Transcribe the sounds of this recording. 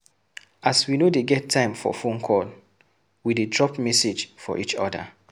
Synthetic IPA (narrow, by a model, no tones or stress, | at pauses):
ʔaswinodeɡɛtʰːãɪ̃mfɔ̰fõnkʰɔl | widedɹɔpmɛsed͡ʒfɔ̰ʔit͡ʃɔ̰da̰